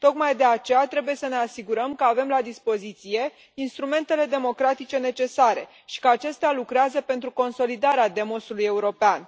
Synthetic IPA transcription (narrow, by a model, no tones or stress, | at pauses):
t̪o̞kmajd̪e̞at͡ʃe̞jat̪ɾe̞buje̞səne̞asiɡuɾəmkəave̞mlad̪ispo̞zit̪sije̞ | inst̪ɾume̞nt̪e̞le̞d̪e̞mo̞kɾat̪it͡ʃe̞ne̞t͡ʃe̞saɾe̞̰ | ʃi̥kəat͡ʃe̞st̪ealukɾeazəpe̞nt̪ɾuko̞nso̞lid̪aɾead̪e̞mo̞suluje̞uɾo̞pean